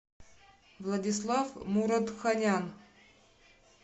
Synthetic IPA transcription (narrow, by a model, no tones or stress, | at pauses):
vlˠɐdʲis̬lˠɑfmuɾad̪xanʲan